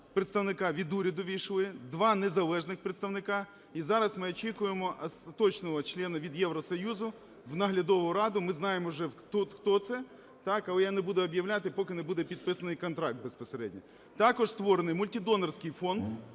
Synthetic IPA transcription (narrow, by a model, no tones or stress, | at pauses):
pɾɪt̪st̪ɐwnɪkɑʋʲid̪uɾʲɐd̪ʊʋʲijʃlˠɪd̪ʋɑnezɐlˠɛʒnɪxpɾet̪st̪ɐʋnɪkɑ | izɑɾɐsmɪɔt͡ʃikʊjemɔʔɐst̪ɐt̪ɔt͡ʃnɔɦɔt͡ʃlʲɛnɐʋʲid̪jɛwɾɔsɔjuzʊ | ʋnɐɦlʲɐd̪ɔʋʊɾɑd̪ʊmɪznɑjemɔʒɛt̪ut̪xt̪ɔt̪sɛ | t̪ɑkɐlˠɛjanebud̪ɛɔbjɐwlʲat̪ɪpɔkɪnebud̪ɛpʲid̪̚pɪsɐnɪjkɔnt̪ɾɑk̚t̪̚bespɔseɾɛ̰dʲnʲɐ | t̪ɑkɔʒst̪ʋɔɾenɪjmʊlʲtʲid̪ɔnɐrsʲkɪjfɔnd̪